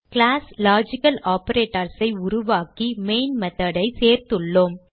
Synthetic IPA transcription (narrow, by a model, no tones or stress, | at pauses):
kɪɭaːslaːd͡ʒɪkɐlaːpɐɾeːʈːɐɾsɐɪʊɾʊʋaːkimeːnmɛðɐɽɐɪseːɾt̪ɯɭːoːm